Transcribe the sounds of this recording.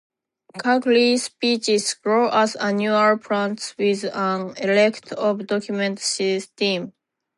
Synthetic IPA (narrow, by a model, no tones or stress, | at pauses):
kʰaklispit͡ʃizɡɹoʔazanjualpʰɹãntswiðãnelɛkt̪ʰɔvd̪ɔkʰjumɛ̃ntsist̪ĩm